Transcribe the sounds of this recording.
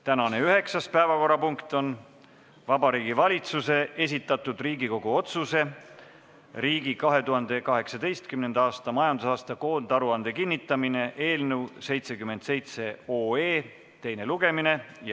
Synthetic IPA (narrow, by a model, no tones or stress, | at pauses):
t̪ænɑne̞yɦe̞ksɑspæevɑko̞ɾɑpuŋkt̪ˑo̞n | vɑbɑɾiːɡivɑlʲit̪suse̞ʔe̞s̬ʲit̪ːˑɑt̪ːud̪̥riːɡiko̞ɡuo̞t̪suse̞ | riːɡikɑɦe̞t̪uhɑnd̪̥e̞kɑɦe̞ksɑd̪e̞jst̪kymne̞nd̪̥ɑːst̪ɑmɑjɑnd̪usɑːst̪ɑko̞ːnd̪ɑɾuɑnd̪̥e̞kinʲːit̪ːˑɑmine̞ʔe̞ːlnewse̞jt̪se̞kymːe̞nd̪se̞jt̪se̞o̞ːe̞ː | t̪e̞jne̞luɡ̥e̞mine̞j